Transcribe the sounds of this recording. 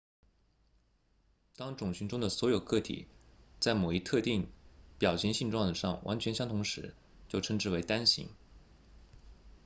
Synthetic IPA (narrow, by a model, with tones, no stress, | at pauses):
t̪ɑ˥ŋʈ͡ʂʊ˨˩ŋɕy˧˥nʈ͡ʂʊ˥ŋd̪ə˨swɔ˧˥jo˨˩ʊkɤ˥˩t̪ʰḭ˨˩˦t͡sa˥˩ɪmo˨˩ʊi˧˥t̪ʰɤ˥˧t̪i˥˩ŋpjɑ˨˩ʊɕʰjɛ˧˥ŋɕi˥˧nʈ͡ʂwɑ˥˩ŋʂɑ̰˥˩ŋwʔa̰˧˥nt͡ɕʰɥɛ˧˥nɕjɑ˥ŋt̪ʰʊ˧˥ŋʂɻ̩˧˥ | t͡ɕjo˥˩ʊʈ͡ʂʰɤ˥ŋʈ͡ʂɻ̩˥˩we˧˥ɪt̪a˥nɕḭ˧˥ŋ